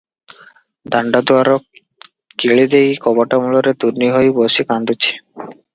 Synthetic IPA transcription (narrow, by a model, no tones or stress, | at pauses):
d̪aɳɖad̪oaɾɔk | kiɭid̪ejkɔbaʈamulɔɾet̪uɾniɦojbosikand̪ut͡ɕʰi̥